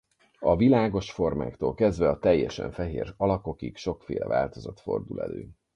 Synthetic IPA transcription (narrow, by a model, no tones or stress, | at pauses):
ɒvilaːɡo̞ʃfo̞rma̰ːkt̪oːlkɛzd̪vɛɒt̪ɛjːɛʃɛ̰ɱfɛɦeːrɒlɒko̞kikʃo̞kfeːlɛvaːlt̪o̞zɒt̪fo̞̰rd̪ulɛ̰lø̰ː